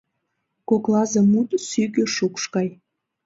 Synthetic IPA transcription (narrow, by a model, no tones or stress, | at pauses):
koklɑzemut̪syɣøʃukʃkɑj